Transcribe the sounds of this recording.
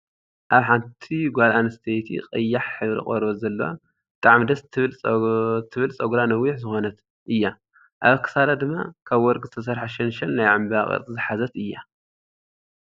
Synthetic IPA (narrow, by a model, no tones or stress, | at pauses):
ʔaβħant̪ʰiɡʷalanɨst̪ʰejt̪ʰḭqʼɨjːaħħɨβɾḭχʼoɾβozɐlːɐ̰wa̰ | bɨt̪ʼaʕmd̪ɐst̪ʰɨβɨlʼ | t̪ʰɨβɨlsʼɐɡɾanɐwːɪħzɨxo̞nɐt̪ | ʔɨjːa | ʔaβɐkʰɐ̥saɾad̪ɨmːa̰kʰaβwɔɾkʼzɨt̪ʰɐs̬ɐɾħaʃɐnʃɐlnajʕambaχʼɐ̰t͡sʼzɨħazɐt̪ɨjːa